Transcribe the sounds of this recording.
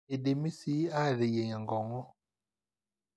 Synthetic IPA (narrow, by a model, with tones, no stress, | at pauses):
e˨de˨mi˦si˦a˦˨ɾe˨je˨ɲa˨ŋɡɔ˨ŋɔ˦